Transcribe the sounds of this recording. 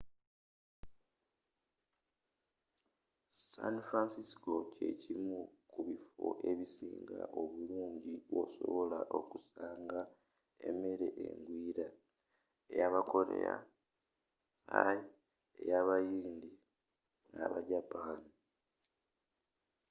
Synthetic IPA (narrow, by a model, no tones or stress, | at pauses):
sa̰nfɾansisko̞ce̞cimukuβifo̰ʔe̞βisḭːŋɡa̰ʔoβuluːɲɟio̰so̰βo̞laʔo̞kusaːŋɡa | eme̞ɾe̞ʔḛŋɡwiːɾa | ejaβako̞ɾe̞̰ɾa | a | ejaβajiːnd̪i | ŋa̰βaɟapaːni